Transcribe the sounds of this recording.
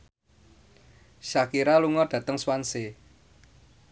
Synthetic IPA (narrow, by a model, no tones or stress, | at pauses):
ʃakiɾaluŋɔd̥ä̤t̪əŋswanse